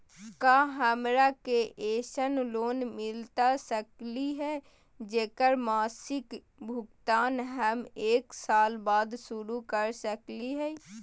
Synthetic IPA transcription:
kaːɦəmɾakeʔeːʃənloːnmɪlt̪asəkliɦɛː | d͡ʒeːkəɾmaːsɪk | bʱʊɡt̪aːnɦəmeːksaːlbaːd̪sʊɾukəɾsəkliɦɛː

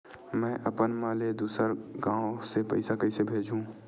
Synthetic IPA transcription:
mɛ̃ːʔɐpənmaːled̪uːsəɾɡãːõsepɐ̰ɪsakəɪsebʱeːd͡ʒũ

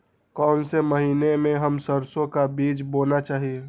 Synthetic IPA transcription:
kɔːnseməɦiːnemẽɦəmsəɾsõkabiːt͡ʃboːnat͡ʃaːɦie

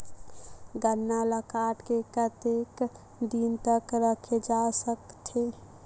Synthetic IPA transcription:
ɡənːaləkaʈkekət̪ek | d̪int̪əkɾəkʰed͡ʒasəkt̪ʰe

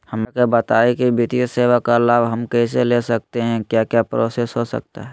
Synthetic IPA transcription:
hɐmekebət̪aːikibit̪ijseːʋakalaːbɦɐmkɛːselesɐk̚t̪eɦɛ̃kjaːkjaːpɾoːsesɦosə̰k̚t̪a̰ɦɛ

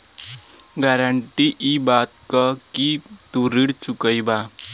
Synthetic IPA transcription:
ɡaɾəɳʈiʔibat̪̚ka | ki | t̪uɾiɽt͡ʃukəjba

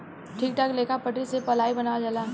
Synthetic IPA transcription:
ʈʰiːk̚ʈ̪akleːkapəʈɾisepɐlaːibɐnaːad͡ʒaːla

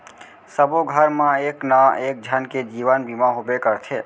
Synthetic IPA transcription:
səboɡʱəɾmãeknãek̚d͡ʒʱjanked͡ʒiʋənbʱimãɦobekəɾt̪ʰe

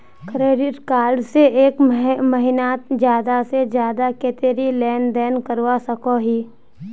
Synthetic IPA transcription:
kɾeːɖɪʈkaːlɖseeːkməɦɪnaːt̪d͡ʒjaːd̪ased͡ʒjaːd̪akeːt̪eːɾilɛːnd̪ɛːnkəɾwasəkoɦiː

